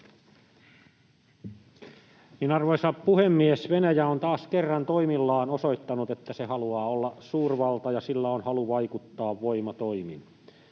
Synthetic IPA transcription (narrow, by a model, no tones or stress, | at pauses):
minɑrʋoisɑppuhemːiesʋenæjæont̪ɑːskerːɑnt̪oimilːɑːnosoit̪ːɑnut̪et̪ːæsehɑluɑːolːɑsuːrʋɑlt̪ɑjɑsilːæonhɑluʋɑikut̪ːɑːʋʋoimɑt̪oimin